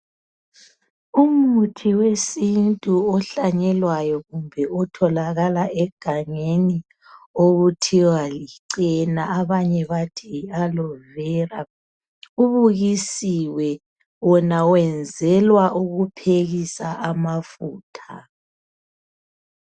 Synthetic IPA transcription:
umutʰiwesintʼuɔɬaɲɛlwajɔɣumbʱɛɔtʰɔlaɣalaʔɛɡ̥ʱaŋeni | oɣutʰiwaliǀɛnaːβaɲɛβatʰialɔvɛːra | uβuɣisiwɛ | wɔnawɛnd͡zʱɛlwaʔuɣupʰeɣisaʔamafuːtʰa

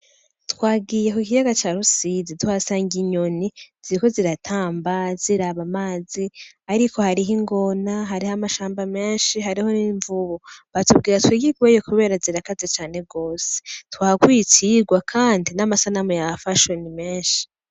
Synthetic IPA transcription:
twaːɡijekoikijaɡat͡ʃaːɾusizituhasaːŋɡiɲo̞niz̥iɾiko̞ziɾatʰaːmbaziɾaβamaːzi | aɾikʰo̞haɾiɦiŋɡo̞naɦaɾihamaʃaːmbame̞ːnʃiɦaɾiho̞niːɱvuβoβatub̚ɡiːɾatwiɡiɡwejokuβe̞ːɾaziɾakazet͡ʃaːne̞ɡo̞ːse̥twaːakwiːtiɡwakʰaːndinamasanamujafaʃonimeːnʃi̥

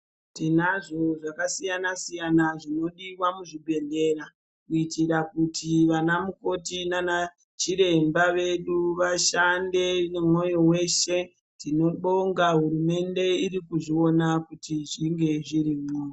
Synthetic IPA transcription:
tinaʐo̞ʐakasijanasijanaʐino̞ɗiwamuʐibʱe̞nde̞ɾa | kuitiɾakutʰiʋanamuko̞tinana | t͡ʃiɾe̞mbaʋe̞ɗuʋaʃande̞nemo̞jo̞we̞ʃe̞ | tino̞ɓo̞ŋɡaɦuɾume̞nde̞iɾikuʐio̞nakutiʐiŋɡe̞ʐiɾimoːjo

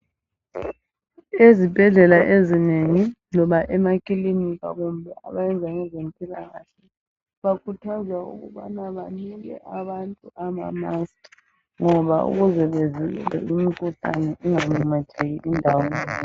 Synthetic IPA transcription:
ezib̥ʱɛɮɛlaʔezineŋilɔβaʔɛmakʼilinika̰ɣumbʱɛʔa̰βajɛnd͡zʱaŋɛzem̩pʼilaɣaɬɛ | βakʰutʰazwaṵɣṵβanaβaniɣɛ̰ʔaβantʼuʔama̰masʼi̥ | ŋɔβaṵɣuzɛβezilɛ̰lɛ̰imikʰʼuɬa̰nɛʔuŋamumatʰeɣiʔindʱawɔnɛ

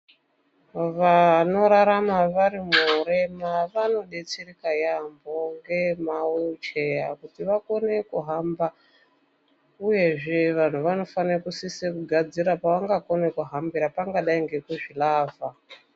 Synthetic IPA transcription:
ʋano̞ɾaɾamaʋaɾimuɾemaʋano̞ɗet͡sirikajambo̞ŋɡe̞maweut͡ʃe̞jakutiʋako̞ne̞kuɦamba | uje̞ʐe̞ʋan̤uʋano̞fanekusisekuɡʱad͡ziɾapaʋaŋɡako̞nekuɦambiɾapaŋɡaɗaiŋɡe̞kuʐilaːva

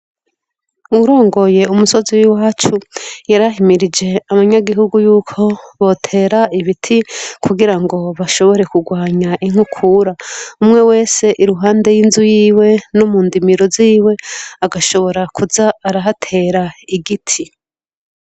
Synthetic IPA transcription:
uɾo̞ːŋɡo̞je̞umuso̞ziwiwaːt͡ʃujaɾaɦimiɾid͡ʒe̞aβaɲaɡiɦuɡujuːkʰo̞βo̞tʰe̞ːɾaiβitʰikʰuɡiɾaŋɡo̞βaʃo̞βo̞ɾe̞kuɡwaːɲaʔiŋ̥hukʰuɾaumŋe̞we̞ːse̞ʔiɾuɦaːnde̞jinzujiːwe̞nomuːndimiɾoziːwe̞aɡaʃo̞βo̞ɾakʰuzaːɾaɦatʰe̞ːɾaiɡitʰi

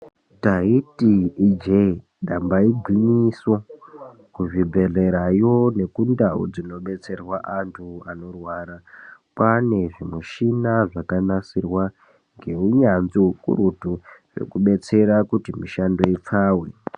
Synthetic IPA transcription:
taitiːd͡ʒe | ɗambaiɡʱwiɲiswo | kuʐibʱe̞ɮe̞ɾajone̞kundaṵd͡zino̞ɓe̞t͡se̞rwaʔantʰuano̞rwaːɾakwane̞ʐimuʃinaʐakanasirwa | ŋɡe̞uɲanziukṵɾutuʐḛkuɓe̞t͡se̞ɾakutimiʃando̞ip͡faːwḛ

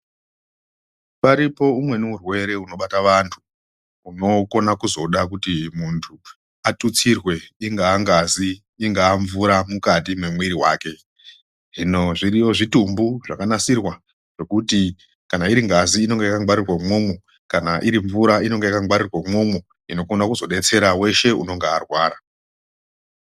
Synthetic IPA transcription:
paɾipo̞umwe̞nuurwe̞ɾe̞uno̞ɓataʋantʰu̥ | uno̞ko̞nakuzo̞ɗak̬utimuntʰu | atut͡sirwe̞iŋɡaːŋɡaziː | ŋɡaːɱvuɾamukatimwemwiɾiwaːke̞ | ʐino̞ʐiɾijo̞ʐitumbuʐakanasirwa | ʐ̥e̞kuti | kanaiɾiŋɡaziːno̞ŋɡejakaɡwaɾirwamwo̞ːme | kanaʔiɾiɱvuɾaino̞ŋɡeakaɡwaɾirwamwo̞mwo | ino̞ko̞nakuzo̞ɗe̞t͡se̞ɾawe̞ʃe̞ṵno̞ŋɡeːrwaːɾa

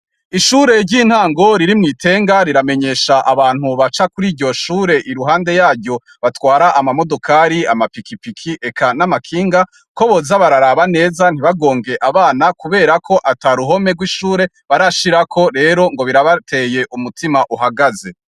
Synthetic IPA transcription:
iʃuɾe̞ɾɟiːn̥haːŋɡoɾiɾimŋiːtʰe̞ːŋɡaɾiɾame̞ɲe̞ːʃaʔaβaːn̥huβat͡ʃakuɾiːɾɟo̞ʃuːɾe̞ʔiɾuɦaːnde̞jaːɾɟo̞ | βatwaːɾaʔamamo̞dokʰaɾiamapikipikʰiʔe̞kʰanamakʰiːŋɡa | ko̞βozaβaɾaɾaβane̞ːzan̥iβaɡo̞ːŋɡe̞ʔaβaːnakuβe̞ːɾakʰo̞ʔataːɾuɦo̞me̞ɡwiʃuːɾe̞ | βaɾaʃiɾakʰo̞ɾe̞ːɾo̞ŋɡo̞βiɾaβatʰe̞ːje̞ʔumutʰimaʔuɦaɡaze̞

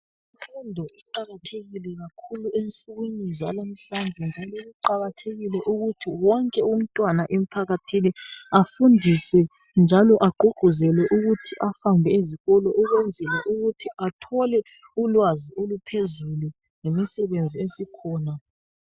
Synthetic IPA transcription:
ifundʱɔiǃaɣatʰeɣilɛɣakʰuluensuɣuɲizialam̩ɬanvʱɛnd͡ʒʱalɔɣuǃaɣatʰeɣilɛʔuɣutʰiwɔŋkʼɛum̩tʼwanaʔem̩ipʰaɣatʰiniafundʱisɛ | nd͡ʒʱalɔʔaɡ͡ǃ̥ʱuɡ͡ǃ̥ʱuzɛlɛʔuɣutʰiʔafambʱɛiziɣɔlɔʔuɣwɛnd͡zʱɛlɛʔuɣutʰiatʰɔlɛ | ulwaziolupʰezulu | ŋemisɛβend͡zʱiesikʰɔːna

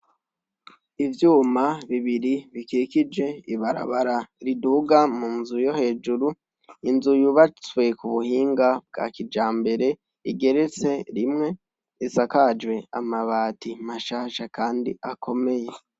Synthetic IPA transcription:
ivjuːmaβiβiɾiβikikid͡ʒe̞iβaɾa̰βaɾaɾiduɡamunzujo̞he̞ːd͡ʒuɾu | inzujuβat͡swe̞kuβuhiːŋɡab̚ɡa̰kid͡ʒaːmbe̞ɾe̞ | iɡe̞ɾe̞t͡se̞ɾimŋe̞ | isakad͡ʒwe̞a̰maβaːtimaʃaːʃakaːndḭakʰo̞me̞je̞

